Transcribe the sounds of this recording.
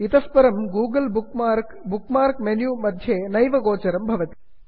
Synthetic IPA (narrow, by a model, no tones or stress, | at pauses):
it̪ɐspɐɾɐmɡuːɡɐlbukmaːɾk | bʊkmaːɾkmenjuːmɐd̪ʱjeːnɐjʋɐɡoːt͡ʃɐɾɐmbʱɐʋɐt̪i̥